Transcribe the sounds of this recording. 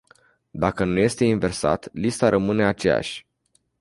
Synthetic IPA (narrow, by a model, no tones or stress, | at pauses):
d̪akənuje̞st̪e̞inve̞rsa̰t̪list̪aɾʔəmɨne̞at͡ʃe̞ja̰ʃʲ